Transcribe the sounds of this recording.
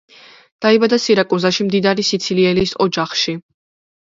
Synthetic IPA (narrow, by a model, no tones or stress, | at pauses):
d̪̥aibad̪asiɾakʼuzaʃimd̪id̪aɾisit̪sʰiliɛlisɔd͡ʒaχʃi